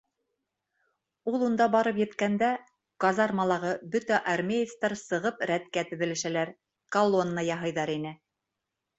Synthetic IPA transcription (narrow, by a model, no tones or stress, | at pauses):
ulˠund̪ɑbɑɾɤpjɘ̆t̪kænd̪æ | kɑzɑɾmɑlˠɑʁɤbɵt̪æʔɑɾmʲejeft̪ɑɾsɤ̆ʁɤpɾæt̪kæt̪ɵ̆ðɘ̆lɘ̆ʃælæɾ | kɐlˠo̞nːəjɑɦɤ̆jðɑɾinɘ